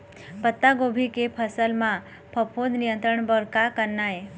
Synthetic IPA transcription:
pət̪ːaɡobʱikepʰəsəlmã | pʰəpʰod̪nijənt̪ɾəɳbəɾkakənːae

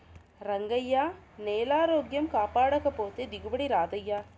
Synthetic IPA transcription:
ɾɐŋɡɐjːaːneːlaːɾoːɡjɐmkaːpaːɽɐɣɐpːoːt̪ɯd̪ɪɣɯbɐɽiɾaːdðɐjaː

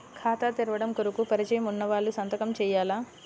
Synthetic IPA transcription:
kʰaːt̪at̪iɾɐʋɐɽɐmkoɾukupɐɾit͡ʃɐjɐmunːɐʋaːɭːusɐnt̪ɐkɐmt͡ʃɛːjaːlaː

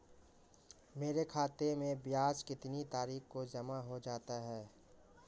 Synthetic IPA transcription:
meːɾekʰaːt̪emẽbjaːskɪt̪nit̪aːɾiːxkod͡ʒɐmaɦod͡ʒaːt̪aɦɛː

